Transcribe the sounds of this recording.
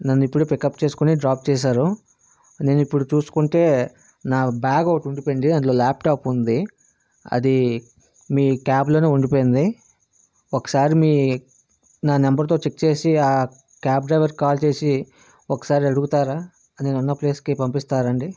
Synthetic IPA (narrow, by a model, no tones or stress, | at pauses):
nɐnːuipːuɽupikɐpːt͡ʃe̞ːsu̥kuniɖɾaːp̚t͡ʃɛːs̬aːɾu | ne̞ːnuipːuɽut͡ʃuːsu̥kuɳʈe̞ː | naːbaːɡɐwʈuɳɖipoɳɖinɐnlo̞ːlaːp̚ʈaːpund̪i | ɐ̰d̪i | miːkaːblo̞ːneːuɳɖipoːjind̪i | ɔkːɐ̥saːɾimiː | naːnɛmbɐɾt̪̬o̞ːt͡ʃek̚ːt͡ʃe̞ːsiaː | kaːpɖɾɐjʋɐɾkaːlt͡ʃe̞ːsi | ɔkːɐ̥saːɾiɐɽuɡut̪aːɾaː | ɐneːnunːɐple̞ːskipɐmpist̪aːɾɐɳɖi